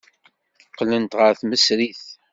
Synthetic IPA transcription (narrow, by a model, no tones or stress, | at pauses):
θəqːlənt̪ʁəɾθməsɾiθ